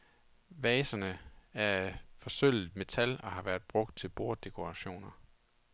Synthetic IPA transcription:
ʋɛːsɐnəæɐfɒ̽søl̰ð̩ˠmet͡sʰælɒ̽hɑ̈ʋæːɐð̥ˠb̥ʁɔ̽ɡ̥̚d̥̚t͡sʰe̝lb̥o̝ɐd̥e̝kʰo̝ʁɑ̈ɕo̝̰ːnɐ

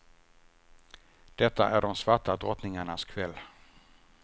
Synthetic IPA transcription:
d̪̥ɛt̪ːaʔæɖɔmsvaʈad̪ɾɔt̪nɪŋaɳaskʰvɛlː

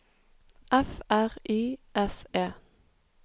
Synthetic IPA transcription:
ʔɛfæʁiːʔɛseː

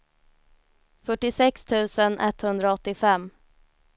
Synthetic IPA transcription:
fœʈːɪsɛkst̪ʰʉ̟ːsənʔɛ̰t̪ːhɵnd̪ɾaɔt̪ːɪfɛmː

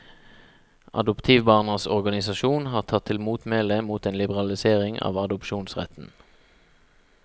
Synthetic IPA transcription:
ʔɑ̰d̪ʊpt̪ʰiːʋbɑːʁnəsɔʁɡɑnɪsɑʃuːnhɑːʁt̪ʰɑt̪ʰːɪlmuːt̪meːlɛmuːt̪eːnlɪbəʁɑlɪseːʁɪŋɑ̰ːʋɑd̪ʊpʃuːnsʁɛ̰t̪n̩

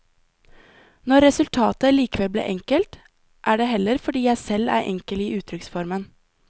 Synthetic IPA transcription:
nɔɾɛsʉlt̪ʰɑːt̪əliːkəʋɛlblḛːʔɛŋkəlt̪ | ʔæːɖeːhɛlːəɾfɔɖiːjæɪsɛlæ̰ːɾʔɛ̰ŋkəliːʔʉːt̪ʰɾʏksfɔɾmən

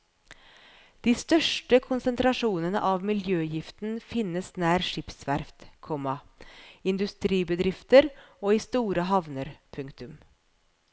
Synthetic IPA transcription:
d̪̥iːst̪œʂʈəkʰʊnsənt̪ʰɾɑʂuːnənə̰ʔɑːʋmɪljøːjɪft̪n̩fɪnəsnæːɾʂɪpsʋæɾft̪kʰɔmɑ | ɪnd̪ʉst̪ɾiːbəd̪ɾɪft̪əɾoːiːst̪uːɾəɦɑʋnəɾpʰʉŋkt̪ʉm

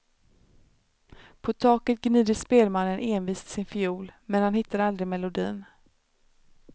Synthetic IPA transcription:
pʰɔt̪ʰɑːkət̪̚ɡniːd̪əspeːlmanːənʔeːnviːst̪ʰɪ̥sɪnfɪuːlmɛnhanhɪt̪ːaɾald̪ɾɪmɛlʊd̪ḭːn

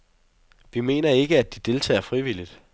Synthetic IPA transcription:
ʋime̝̰ːnɐe̝ɡ̥əæd̥id̥e̝lt͡sʰɛ̰ːɐfʁiʋilid̥

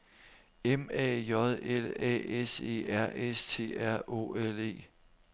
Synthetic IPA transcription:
emɛ̰ːjɒ̽ðˠelɛ̰ːese̝̰ːæɐ̰ʔest͡sʰe̝̰ːæɐ̰ʔo̝̰ːele̝̰ː

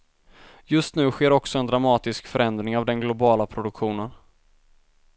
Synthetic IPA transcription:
jɵst̪nʉ̟ːɧeːɾɔksɔɛnd̪ɾamɑːt̪ɪskfœɾɛnd̪ɾɪŋavd̪ɛnɡlʊbɑːlapʰɾʊd̪ɵkɧuːnən

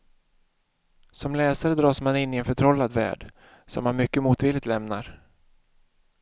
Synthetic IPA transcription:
sɔmlɛːsaɾəd̪ɾɑːsmanɪnːɪɛnfœʈʰɾɔlːad̪væ̰ːɖ | sɔ̰mːanmʏkːəmuːt̪vɪlɪt̪lɛmnaɾ

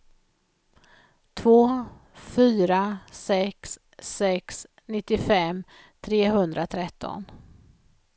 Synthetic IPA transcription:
t̪ʰvoː | fyːɾasɛks | ɛks | nɪt̪ːɪfɛm | t̪ʰɾeːɦɵnd̪ɾat̪ʰɾɛt̪ːɔ̰n

